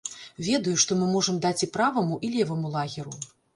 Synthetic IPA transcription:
vʲɛd̪ɐjuʂt̪ɔmɨmɔʐɐmd̪at͡sʲipɾavɐmuʔilʲɛvɐmulˠaɣʲiɾu

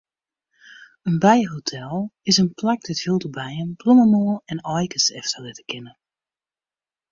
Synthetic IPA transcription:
ənbɛjɦotʰɛlˠɪsənplak̚dɛthilˠtəbɛjənbloməmoːlˠɛnɔjkəsɛ̰ftəlɪtə̥kɪnə

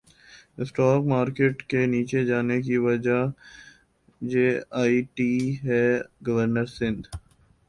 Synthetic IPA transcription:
ɪsʈɔːkmaːɾkeːʈkeniːt͡ʃed͡ʒaːnek̬iʋɐd͡ʒa | d͡ʒeːaːiʈiːɦɛːɡɐʋəɾnəɾsɪ̃nd̪

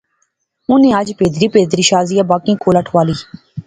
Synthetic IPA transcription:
ʊnẽːəd͡ʒpeːd̪ɾiːpeːd̪ɾiːʃaːzijaːbaːkĩːkoːləʈʰʋaːliː

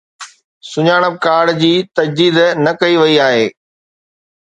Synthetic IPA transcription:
sʊɲaːɽ̃əb̚kaːɽd͡ʑiːt̪ɐd͡ʑd̪iːd̪nɐkɐiʋɐiaːɦeː

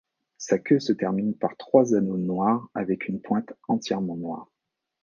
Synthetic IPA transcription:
sakʲøsət̪ɛʁminpaʁt̪χwazanonwaʁavɛkʰynpwɛ̃t̪ɑ̃t̪jɛʁmɑ̃nwa̰ːʁ

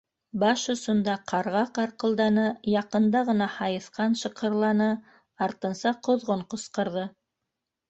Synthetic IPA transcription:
bɑʃŏsŏnd̪ɑqʰɑɾʁɑqɑɾqɤ̆lˠd̪ɑnɤjɑqɤ̆nd̪ɑʁɤ̆nɑhɑjɤ̆θqɑnʃɤ̆qʰɤ̆ɾlˠɑnɤ | ɑɾt̪ɤ̆nsɑqŏðʁoɴqŏsqɤ̆ɾðɤ

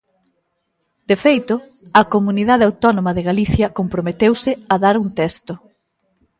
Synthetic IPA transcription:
d̪̥efejt̪ʊ | ɐkomuniðaðeawt̪ɔnomɐðeɣaliθjɐkompɾomet̪ewsɪɐðaɾunt̪ɛst̪ʊ

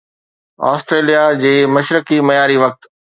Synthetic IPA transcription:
ɔ̰ːsʈɾeːlijad͡ʑeːmɐʃɾəkimɐjaːɾiʋɐk̚t̪

